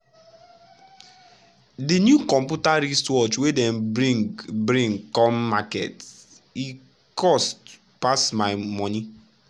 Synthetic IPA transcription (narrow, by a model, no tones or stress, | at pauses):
dinjukɔm̩pjutaɾistwɔt͡ʃwedɛn̩bɾiŋɡbɾĩŋkɔmːakḛt | i | kɔst | pasmaɪmɔni